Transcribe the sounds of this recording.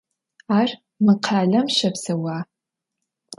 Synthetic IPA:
aːr | mɨqʰaːɮɐmʃɐpsɐwaː

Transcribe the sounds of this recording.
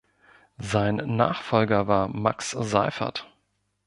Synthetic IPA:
zaɪnːa̰ːχfɔlɡɐvaːɐma̰ksza̰ɪfɐ̰t

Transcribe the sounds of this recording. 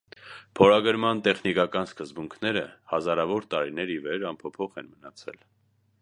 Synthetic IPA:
pʰɔɾɑɡəɾmɑnt̪ɛχnikɑkɑnskəzbuŋkʰnɛɾəhɑzɑɾɑvɔɾt̪ɑɾinɛɾivɛɾɑmpʰɔpʰɔχɛnmənɑt͡sʰɛ̰l

